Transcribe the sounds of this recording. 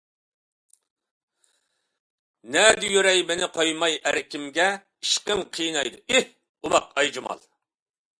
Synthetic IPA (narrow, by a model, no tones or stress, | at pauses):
nɛd̪ɪjøɾɛjmenɪqʰojmɑjæ̰ɾkʲimɡʲɛ | iʃqəŋqʰijnɑjd̪uʔih | umɑqɑjd͡ʒimɑ̰lˠ